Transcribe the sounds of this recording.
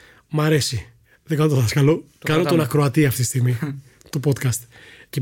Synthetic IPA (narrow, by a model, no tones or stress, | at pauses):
mɐɾe̞si | ðeɡɐnot̪ðɐskɐlo̞ | kɐnot̪onɐkɾoɐt̪iɐft̪it̪ːist̪iɣmi | t̪upot̪kɐst̪ce